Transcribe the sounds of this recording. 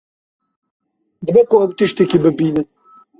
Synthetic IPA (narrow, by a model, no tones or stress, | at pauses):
d̪ɨbɛkoɐwt̪ɨʃt̪ekibɨbiːnɨn